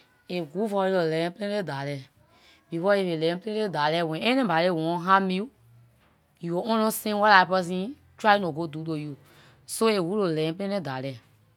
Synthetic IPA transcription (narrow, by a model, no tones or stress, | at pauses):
eɡufɔelolɛ̃pẽledalɛ | b̥ifɔevelɛ̃pəẽedalɛwɛ̃ɛnĩbaɾewɔ̃ɦãmiu | juwoʔɔ̃lɔ̃sĩwalaipɔs̬ĩ | tanõɡoduːloju | soewulolɛ̃pəlẽedalɛ